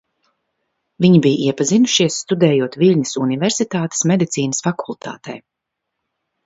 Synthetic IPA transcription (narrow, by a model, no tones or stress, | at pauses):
viɲibijʔiɛpazinuʃiɛsːt̪ud̪ɛːjuɔt̪vilʲɲɨsuniveɾsit̪aːt̪e̥smed̪it̪siːnəsfakʰulˠt̪a̰ːt̪ɛ̰j